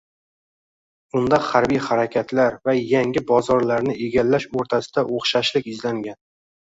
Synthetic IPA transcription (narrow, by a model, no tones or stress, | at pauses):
ʊnd̪ahaɾbijhaɾakʲʰat̪ʰlaɾvajaŋʲɪbɒzɒɾlaɾnɪʔe̞ɡʲalːaʃoɾt̪ʰasɪ̥d̪aʔoχʃaʃlɪkʲɪzlaŋɡʲan